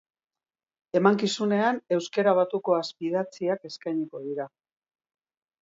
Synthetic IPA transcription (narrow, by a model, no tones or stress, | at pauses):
e̞maŋkisune̞ane̞wskeɾaβ̞at̪uko̞aspið̞at͡siake̞skajɲiko̞ðiɾa